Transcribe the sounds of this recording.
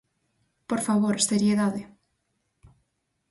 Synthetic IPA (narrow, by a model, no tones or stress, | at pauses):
poɾfaβoɾsteɾieðaðe